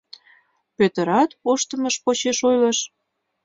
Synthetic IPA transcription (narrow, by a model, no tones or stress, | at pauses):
pøt̪ə̆ɾɑt̪oʃt̪ə̆məʃpot͡ɕeʃojlə̆ʃ